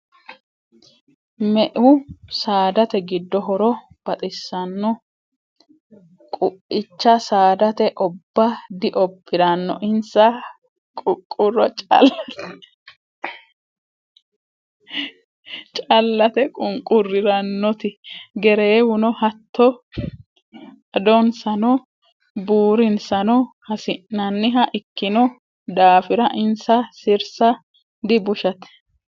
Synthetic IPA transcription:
mɛʔʊsaːd̪ɐt̪ɛɡɪd̪ːɔɦɔɾɔ | b̥ɐt̪ʼɪsːɐnːɔ | kʼʊʔɪt͡ʃːɐsaːd̪ɐt̪ɛʔɔbːɐd̪ɪʔɔbːɪɾɐnːɔʔɪnsɐ | kʼʊkʼːʊrːɔt͡ʃʼɐ̰lːɐt̪ | t͡ʃʼɐlːɐt̪ɛkʼʊŋkʼːʊrːɪɾɐnːɔt̪ɪɡɛɾeːwʊnɔhɐt̪ːɔ | d̪ɔnsɐnɔ | buːɾɪnsɐnɔhɐsɪnːɐnːɪɦɐʔɪkːɪnɔ | d̪aːfɪɾɐʔɪnsɐsɪɾsɐ | d̪ɪbʊʃɐt̪ɛ̥

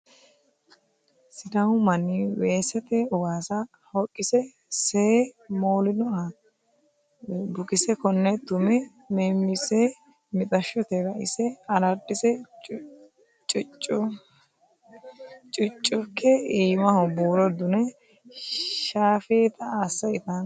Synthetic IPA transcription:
sɪd̪ɐhʊmɐnːiweːsɛt̪ɛʊɡaːsɐ | hɔkʼːɪsɛ | semoːlɪnɔɐ | bʊkɪsɛkɔnːɛt̪ːʊmɛ | mɛmːɪsɛ | mɪt̪ʼɐʃːɔt̪ɛɡɐʔɪ̰sɛɐlɐɾd̪ɪsɛ | t͡ʃʼt͡ʃʼʊ | t͡ʃʼʊt͡ʃʼːʊkːɛiːmɐhʊbuːɾɔd̪ʊnɛ | ʃaːfeːt̪ɐasːɐɪt̪ɐn

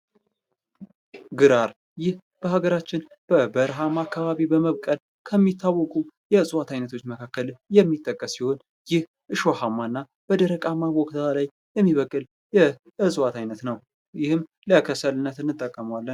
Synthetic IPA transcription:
ɡɨɾaɾ | jɪh | b̥əhaɡəɾat͡ʃːɪnb̥əbəɾɦamaakʰːaβaβibəməβkʼəl | kʰəmːit̪ʰːawːɔkʼujɛɨsʼɨwat̪ʰajnət̪ʰo̞t͡ʃːməkʰakːəljɛmːit̪ʼːəkʼːəsːiho̞n | jɪh | ʔɨʃo̞hamːanːa | b̥əd̪əɾəkʼamːaβɔkʼt̪ʰalaj | jɛmːiβəkʼːɨl | jɛ | ɨsʼɨwat̪ʰajnət̪nəw | jɪhɨm | ləkʰəsəlɨnːət̪ɨnːɨt̪ʼːəkʼːəmwalːən

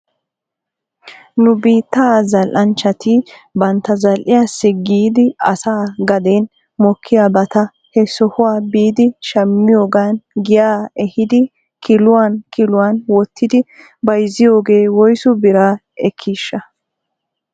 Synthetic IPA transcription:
nʊbiːt̪ːaːzɐlʔɐnt͡ʃːɐt̪ɪbɐnt̪ːɐzɐlʔɪjaːsːɛɡiːd̪ɪɐ̰saːɡɐd̪eːn | mɔkʰːɪjaːbɐt̪ɐ | hɛsɔhʊwaːbiːd̪ɪʃɐmːɪjo̞ːɡaːnɡɪjaːɛhɪd̪ɪ | kɪlʊwaːnkɪlʊwaːnwɔt̪ʰːɪd̪ɪ | bɐjzːɪjo̞ːɡe̞ːwɔjsʊbɪɾaː | ɛkʰːiːʃːɐ

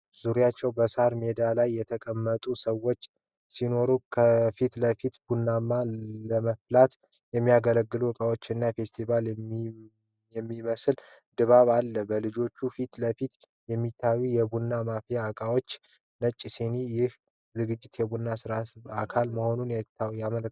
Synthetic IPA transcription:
z̥uɾijat͡ʃːɛwbəsaɾme̞d̪alajːɛt̪ʰəkʼəmːət̪ʼusəwːo̞t͡ʃː | sino̞ɾukʰəfit̪ləfit̪bunːamaləməflat̪ | jɛmːijaɡələɡːɨluakʼawo̞t͡ʃːɨnːafe̞st̪ʰival | jɛmːiməsɨl | d̪ɨβaβalːəbəlɨd͡ʒo̞t͡ʃːufit̪ləfit̪ | jɛmːit̪ʰːajujɛbunːamafijakʼawo̞t͡ʃː | nət͡ʃʼːisenijɪh | zɨɡɨd͡ʒːɪt̪jɛbunːasɨɾasakʰalməho̞nunjajamələk

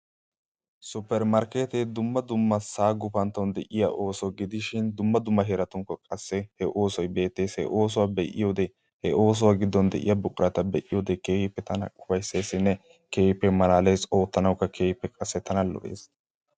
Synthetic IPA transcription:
sʊpːɛɾmɐɾkeːt̪ed̪ʊmːɐd̪ʊmːɐsaːɡʊfɐnt̪ːɐwnd̪ɛʔɪja̰ʔoːsɔɡɪd̪ɪʃɪnd̪ʊmːɐd̪ʊmːɐɦɛɾɐt̪ʊŋkːɔkʼɐsːɛhɛʔo̞ːsɔjbe̞ːt̪ːe̞ːshɛ̰ʔo̞ːs̬ʊwaːbɛʔɪ̰jo̞ːd̪ɛ | hɛʔoːs̬ɔwaːɡɪd̪ːɔnd̪ɛʔɪ̰jɐbʊkʼʊɾɐt̪ɐbɛʔɪjoːd̪ɛkeːhɪpːɛt̪ɐnɐ̰kʼʊbɐjsːeːsːɪnːɛ | ke̞ːɪpːɛmɐlaːleːso̞ːt̪ːɐnɐwkːɐkʰeːpːɛkʼɐsːɛt̪ʰɐnɐlɔ̰ʔḛːs

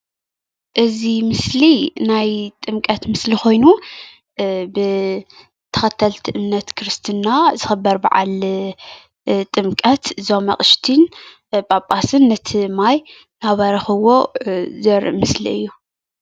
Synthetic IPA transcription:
ʔɨzimɨslinajt̪ʼɨmkʼɐt̪mɨslixo̞jnu | bɨ | t̪ʰɐ̥xɐt̪ʰːɐlt̪ʰiʔɨmnɐt̪kʰɨɾɨst̪ʰɨnːazɨxɨbːɐɾbaʕa̰l | t̪ʼɨmkʼɐt̪zomɐ̰χʼɨʃt̪ʰin | pʼapʼasɨnːɐt̪ʰɨmaj | naβɐɾɐxɨwozɐɾmɨslḭɨjːu

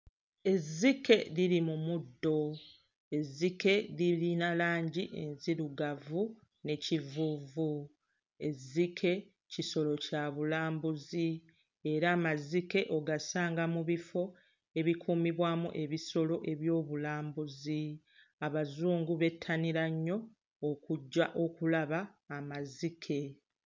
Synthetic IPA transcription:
e̞zike̞ɾilimumudːo̞ | e̞zːike̞ɾiɾinalaːɲɟiʔḛnziɾuɡavu | ne̞civuːvu | e̞zikʰe̞ | ciso̞lo̞caβulaːmbuzi | e̞ɾaːmazike̞ʔo̞ɡasaːŋɡamuβifo̞ | e̞βikʰuːmiβwaːmuʔe̞βiso̞lo̞ʔe̞βjo̞ːβulaːmbuzi | aβazuːŋɡuβe̞tʰːaniɾaɲːo̞ | aʔokulaβaːmazikʰe̞

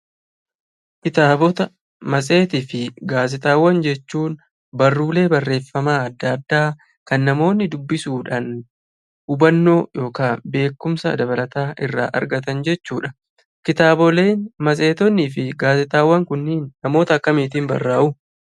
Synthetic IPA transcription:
kɪt̪aːbɔt̪ɐ | mɐs̬ʼe̞ːt̪iːfɪɡaːs̬ɪt̪ʼaːwːɐnd͡ʒɛt͡ʃːuːn | bɐrːuːle̞ːbɐrːe̞ːfːɐmaːɐd̪ːɐd̪ːaː | kɐnːɐmo̞ːnːɪd̪ʊbːɪsuːᶑaːn | ʊbɐnːo̞ːjo̞ːkaːnbe̞ːkːʊmsɐd̪ɐbɐlɐt̪aːʔɪrːa̰ːʔɐ̰ɾɡɐt̪ɐnd͡ʒɛt͡ʃːuːᶑɐ̥ | kɪt̪aːbɔle̞ːnmɐs̬ʼe̞ːt̪ɔnːiːfɪɡaːsɪt̪ʼaːwːɐŋkʊnːiːnːɐmo̞ːt̪ɐɐkːɐmiːt̪ɪːmbɐ̰rːaːʔʊ

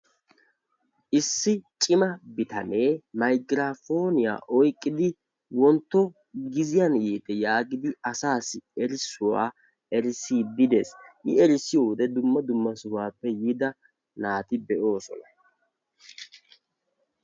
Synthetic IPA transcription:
ʔɪsːɪt͡ʃʼɪmɐbɪt̪ɐne̞ːmɐjɡɪɾaːfo̞ːnɪja̰ːʔɔjkʼːɪd̪ɪ | wɔnt̪ːɔ | ɡɪzɪjanjiːt̪ɛjaːɡɪd̪ɪɐsaːsɪɛɾɪsːʊwa̰ː | ɛɾɪsiːd̪ɪd̪e̞̰ːsʔɪɛɾɪsɪjoːʊd̪ɛd̪ʊmːɐd̪ʊmːɐsʊwaːpːɛjɪd̪ɐ | naːt̪ɪbɛʔo̞ːsɔ̰nɐ̥

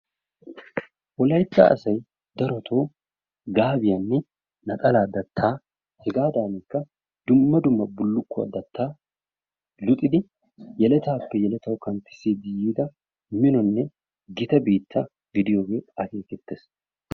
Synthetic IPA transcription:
ʔɔlɐjt̪ːa̰ɐ̰sɐj | d̪ɐɾɔt̪ʰoː | ɡaːbɪjɐnːɛ | nɐt̪ʼɐlaːd̪ɐt̪ʰːaː | hɛɡaːd̪aːnɪkːɐ | d̪ʊmːɐd̪ʊmːɐbʊlːʊkːʊɐ̰d̪ɐt̪ːaː | lʊt̪ʼɪd̪ɪ | jɛlɛt̪aːpːɛjɛlɛt̪ɐwkɐnt̪ːɪ̥seːd̪ɪjiːd̪ɐ | mɪnɔnːɛ | ɡɪt̪ɐbeːt̪ʰːɐ | ɡɪd̪ɪjo̞ːɡe̞ːɐkeːkɛt̪ːes

